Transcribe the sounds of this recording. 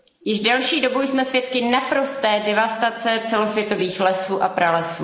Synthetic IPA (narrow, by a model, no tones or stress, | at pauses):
jɪʒdɛlʃiːdo̞bujsmɛsvjɛt̪kɪnapɾo̞st̪ɛːdɛvast̪at͡sɛt͡sɛlo̞svjɛt̪o̞viːxlɛsuːʔapɾalɛsuː